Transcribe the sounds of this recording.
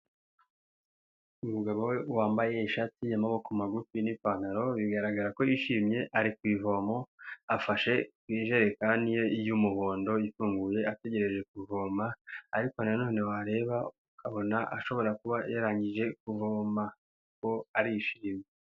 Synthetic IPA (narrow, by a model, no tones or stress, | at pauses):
umuɡaβowewaːmbaje̞iʃatiamaβokumaɡufinipanaɾo̞βiɡaɾaɡaɾako̞jiʃimɲe̞ʔaɾikwiːvo̞mo̞afaʃe̞kwiːʒe̞ɾe̞kanijo̞ijumuβo̞ːndo̞ifuːŋɡuje̞ate̞ɟe̞ɾe̞ʒe̞k̚uvo̞ːmaːɾiko̞nano̞ːnewaɾe̞ːβaukʰaβo̞naʔa̰ʃo̞βo̞ɾakuβajaɾaːɲɟiʒe̞kuvoːma | ko̞aɾijiʃiɾime